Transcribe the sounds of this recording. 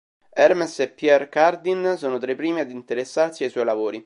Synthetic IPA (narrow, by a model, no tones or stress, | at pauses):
ɛrmɛsepːjɛrkard̪insoːnot̪ɾepːɾiːmiad̪int̪eɾesːarsiajswɔjlavoːɾi